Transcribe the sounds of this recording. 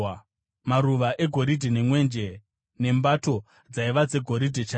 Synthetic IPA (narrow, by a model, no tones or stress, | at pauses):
maɾuʋaʔe̞ɡʱo̞ɾidʱene̞mwe̞nd͡ʒe̞ | ne̞mbato̞ | d͡zaiʋad͡ze̞ɡʱo̞ɾidʱet͡ʃa